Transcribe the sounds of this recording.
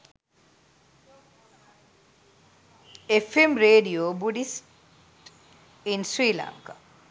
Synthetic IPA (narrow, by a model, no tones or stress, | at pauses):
efemɾeːɖioːbuɖisʈ | insɾiːla̰ŋka